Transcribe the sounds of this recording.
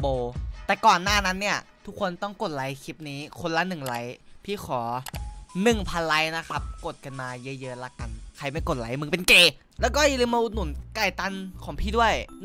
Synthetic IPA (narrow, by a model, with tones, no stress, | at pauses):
boː˧˩t̪ɛː˨˩kɔː˨˩nːaː˥˩na˦˥nːi˥˩ɐt̪ʰu˦˥kʰːo˧nt̪ɔ˥˩ŋko˨˩t̪̚la˨˦jkʰi˦˥p̚niː˦˥kʰo˧nla˧˥nɯ˨˩ŋla˨˩˦jpʰiː˥˩xʰɔː˩˦nɯ˨˩ŋpʰa˧nla˧˦˥jna˦˥kʰa˦˥p̚ko˨˩t̪̚ka˧nmaː˧jɤ˦˥jɤ˦˧˥la˧˥ka˨nkʰa˧˩jma˥˩jko˨˩t̪̚la˨˦jmɯ˧˦pe˧nkeː˧˩ | lɛː˦˥wkɔː˥˩ja˧lɯː˧˦mːa˧ʔu˧t̪nːu˨˩˦nkaː˨˩jt̪a˧˥nkʰɔː˩˦pʰiː˧du˥˩əj